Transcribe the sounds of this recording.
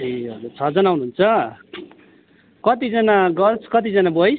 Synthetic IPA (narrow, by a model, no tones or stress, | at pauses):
iʌd͡zut͡sʰʌd͡zʌnawnuɦːunt͡sʰʌ | kʌt̪id͡zʌnaɡʌt͡sʰkʌt̪̬id͡zʌnabʌj